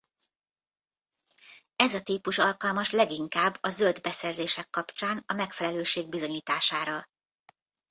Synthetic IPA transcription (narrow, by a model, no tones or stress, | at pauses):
ɛzɒt̪iːpuʃɒlkɒlmɒʃlɛɡiŋkaːbːɒzøld̪bɛsɛrzeːʃɛkːɒpt͡ʃaːnɒmɛkfɛlɛløːʃeːɡ̚bizo̞ɲiːt̪aːʃaːɾɒ